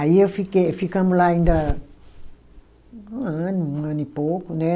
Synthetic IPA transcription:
ajəfikefikamulainda | nənipokune

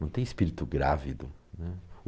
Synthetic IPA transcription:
ɐ̃w̃t̪ẽj̃ɪspiɾit̪ʊɡɾavid̪ʊnɛ

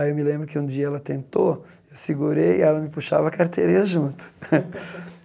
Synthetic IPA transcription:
ewmɪlẽmbɾʊkɪũd͡ʒiɐɛlɐt̪ẽnt̪o | ewsɪɡuɾejɪɛlɐmɪpuʃa̰vɐkaɾt̪ʰeɾiɾɐʒũnt̪ʊ̥

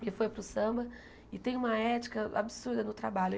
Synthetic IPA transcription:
kɪfojpɾʊsɐ̃bɐ | ɪt̪ẽj̃ũmɐɛt͡ʃi̥kɐa̰bɪsuɾd̪ɐnʊt̪ɾabalʊ

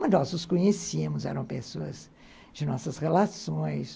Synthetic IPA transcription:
mɐ̃nɔzʊskõɲesiɐmʊzɛ̰ɾɐ̃w̃pesoɐz | d͡ʒɪnɔsɐsʁelasõj̃s

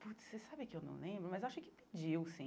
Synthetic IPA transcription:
put̪sesabɪkɪewnɐ̰̃w̃lˠẽbɾʊmɐzaʃʊkɪpɪd͡ʒiwsĩ

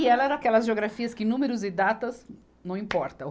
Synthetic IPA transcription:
iɛlɐɛɾɐ̃akɛlɐzʒeoɡɾafiɐskɪnũmeɾʊzɪd̪at̪ɐz | nɐ̃w̃ĩpɔɾt̪ɐ

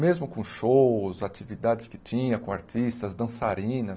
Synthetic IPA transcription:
mezmʊkõʃowzat͡ʃivid̪ad̪ɪskɪt͡ʃĩɲɐkõaɾtist̪ɐzd̪ɐ̃saɾĩnɐ

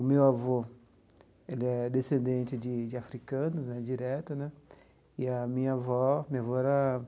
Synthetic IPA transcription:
ʊmewavo | elɪɛd̪esẽnd̪ẽnt͡ʃɪd͡ʒɪd͡ʒɪafɾikɐ̃nʊznɛd͡ʒiɾɛt̪ɐnɛ | ɪɐmĩɲɐvɔmĩɲavɔɛɾɐ

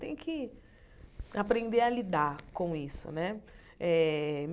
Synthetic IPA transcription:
t̪ẽj̃kɪ | apɾẽnd̪ealid̪aɾkõisʊ̰nɛ | ɛm

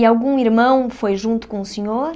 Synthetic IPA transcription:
ialˠɣũiɾmɐ̃w̃fojʒũnt̪u̥kõusɨɲoɾ

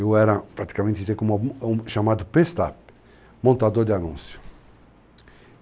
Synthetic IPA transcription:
ewɛɾɐpɾat̪i̥kamẽnt̪ɪt̪ekõmũʃamad̪ʊpest̪a̰p | mõnt̪ad̪oɾd̪ɪanṵ̃sjʊ̥

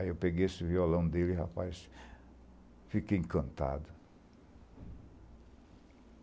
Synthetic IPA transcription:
iewpeɡejesɪviolɐ̃w̃d̪elɪiha̰pajs | fikejẽkɐ̃nt̪a̰d̪ʊ

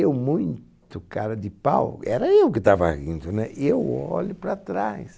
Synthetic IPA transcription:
ewmũj̃t̪ʊkaɾɐd̪ɪpa̰wɛɾɐewkɪt̪ava̰ɣĩnt̪ʊnɛʔewɔʎʊpɾɐt̪ɾajs

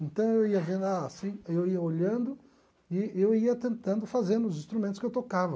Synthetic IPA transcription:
ẽnt̪ɐ̃w̃ewiɐvẽd̪ʊasĩewiɐoʎɐ̃nd̪ʊ | ɪewiɐt̪ẽnt̪ɐ̃nd̪ʊfazẽnd̪ʊzĩst̪ɾumẽnt̪ʊ̥skɪewt̪okavɐ

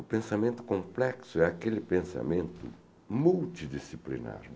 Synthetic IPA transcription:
ʊpẽnsamẽnt̪ʊ̥kõmplɛksʊɛakelɪpẽnsa̰mẽnt̪ʊ̰ | mult̪id̪isiplḭna̰ɾ

